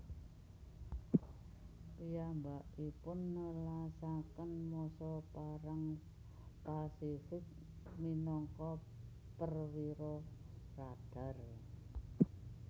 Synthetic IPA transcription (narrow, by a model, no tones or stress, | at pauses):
pijambaʔipʊnːəlasakənmɔsɔpaɾaŋ | pasifɪk̚ | minɔŋkɔ | pərwiɾɔ | rad̥a̤r